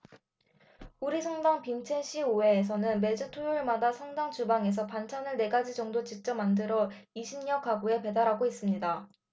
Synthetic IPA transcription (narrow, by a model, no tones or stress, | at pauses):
uɾisʰʌŋdaŋpint͡ɕʰe̞ɕʰioe̞ːs̬ʰʌnɯnme̞d͡ʑɯtʰojuɭmadasʰʌŋdaŋt͡ɕubaŋe̞s̬ʰʌpant͡ɕʰanɯɭne̞ɡad͡ʑid͡ʑʌŋdot͡ɕik̚t͡ɕ͈ʌmːandɯɾʌiɕʰimɲʌkaɡue̞pe̞daɾɦaɡois͈ɯmɲida